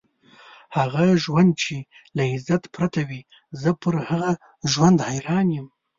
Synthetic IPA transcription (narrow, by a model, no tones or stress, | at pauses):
haɣaʒwand̪̚t͡ʃe | laɪzat̪pɾat̪awi | zəpəɾhaɣa | ʒwand̪hajɾɑnjəm